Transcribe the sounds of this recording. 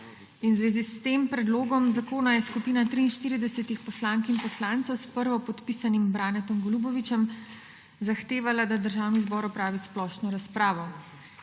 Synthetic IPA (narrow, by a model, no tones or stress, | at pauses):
inwzʋeːzist̪eːmpɾɛd̪loːɡɔmzakoːnajɛskupiːnat̪ɾiːnʃt̪iːɾid̪ɛsɛt̪ixpɔslaːŋkimpɔslaːnt̪sɔwspəɾʋɔpɔt̪pisanimbɾaːnɛt̪ɔmɡɔlubɔʋit͡ʃɛm | zaxt̪eːʋalad̪ad̪əɾʒaːwnizbɔːɾɔpɾaːʋisplɔʃnɔɾaspɾaːʋɔ